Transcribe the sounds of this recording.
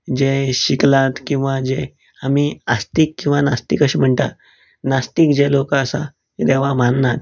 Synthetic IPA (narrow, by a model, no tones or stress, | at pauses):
d͡ʑeɕiklat̪kĩw̃ʋad͡ʑe | amiast̪ikːĩw̃ʋanast̪ikəɕim̤əɳʈ̪at̪ | nast̪ikd͡ʑelokəəsa̰ | ed̪eʋ̤amanːat̪